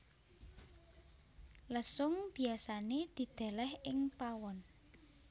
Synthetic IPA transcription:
ləsʊŋb̥i̤asaned̪̥i̤d̪̥ɛ̤lɛhɪŋpawɔn

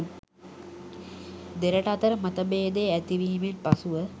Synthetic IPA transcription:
d̪eɾəʈɐɐt̪ɐɾəmɐt̪ɐbeːd̪eæt̪iʋiːmenpasuʋə

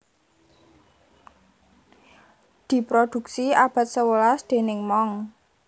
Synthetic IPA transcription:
d̪̥i̤pɾod̪̥ṳk̚siab̥a̤t̪̚səwəlasd̪̥e̤nɪŋmɔŋ

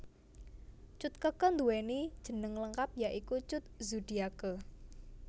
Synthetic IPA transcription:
t͡ʃʊt̪̚kəkɔnd̪uwɛnid̥ʒ̥ə̤nəŋləŋkap̚jaʔikut͡ʃʊt̪̚zud̥iakə

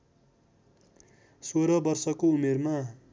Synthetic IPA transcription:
soɾʌbʌrsʌkoumerma

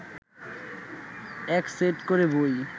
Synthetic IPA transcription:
ɛkseʈkoɾeboj

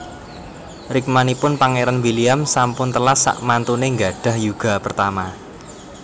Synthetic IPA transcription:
rɪk̚manipʊnpaŋeɾanwiliamsampʊnt̪əlasa̰ʔmant̪uneŋɡa̤ɖ̥a̤hjuɡ̥a̤pərt̪ama

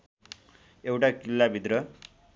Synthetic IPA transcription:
ewʈakilːabʱid̪ɾʌ

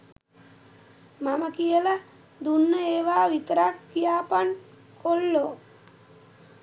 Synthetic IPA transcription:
mamɐkijəlɐ | d̪unːəeːʋaːʋit̪ɾakkːijaːpɐn | koɭːo

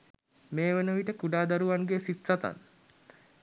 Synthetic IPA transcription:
meːʋenəʋiʈəkuɖaːd̪aɾuʋaŋɡesit̪sat̪a̰n

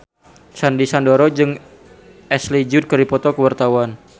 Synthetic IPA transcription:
sandisandoɾɔd͡ʒɨŋ | ʔɛslid͡ʒud̚kəɾipɔt̪ɔkəwart̪awan

